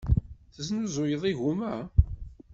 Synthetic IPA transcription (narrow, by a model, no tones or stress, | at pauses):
θəsnuzˤʊjəðˤiʝumæ